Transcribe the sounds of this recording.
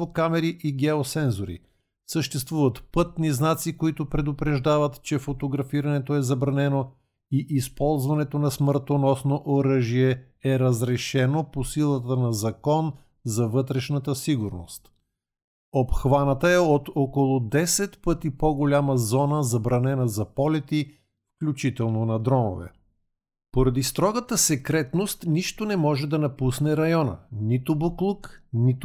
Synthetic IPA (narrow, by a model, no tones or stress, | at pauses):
vokamɛɾiʔiɡɛosɛnzoɾḭ | səʃt̪ɛst̪vuvət̪pɤt̪̚niznat̪sikoit̪ʊpɾɛd̪ʊpɾɛʒd̪avət̪t͡ʃɛfot̪oɡɾɐfiɾɐnɛt̪oɛzɐbɾɐnɛno | iʔispɔlˠzvɐnɛt̪onɐsməɾt̪onɔsnoʔoɾəʒiɛ | ɛɾəzɾɛʃɛnoposilˠət̪ənɐzɐkɔn | zɐvɤt̪ɾɛʃnət̪əsiɡʊɾno̰st̪ | opxvanət̪əɛot̪okolˠʊd̪ɛsɛt̪pɤt̪ipoɡolʲaməzɔnəzɐbɾɐnɛnəzɐpɔlɛt̪i | fklʲut͡ʃit̪ɛlˠnonɐd̪ɾɔmo̰vɛ̰ | poɾɐd̪ist̪ɾɔɡɐt̪əsɛkɾɛt̪nost̪niʃt̪onɛmɔʒɛd̪ɐnɐpusnɛɾɐjɔnə̰nit̪ʊboklˠuknit̪